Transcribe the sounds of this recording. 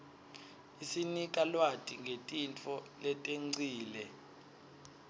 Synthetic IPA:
isinikʼalwatʼiŋɡʱetʼint͡fʰʼɔlɛtʼeŋ͡ǀʱiːlɛ

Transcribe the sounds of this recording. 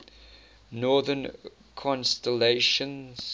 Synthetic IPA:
nɔːðən | kʰɔ̃nstəleʃə̃nz̥

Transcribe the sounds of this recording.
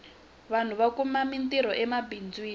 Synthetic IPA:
βan̤uβakumamintiɾɔʔɛmabind͡zwiː

